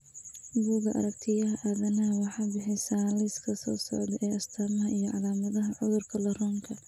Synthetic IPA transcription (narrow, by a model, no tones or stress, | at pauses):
buːɣɐʔɐ̰ɾɐkt̪ʰɪjɐɦɐʔaðɐnɐɦɐwɑħɑːbɪħɪjsaːlɛskʰɐsɔ̰ːsɔ̰ʕd̪ʔɛːʔɐst̪ʰaːmɐɦɐʔijɔʕɑ̰laːmɐðɐɦɐʕʊðʊrkʰɐlɐrɔːŋkʰɐ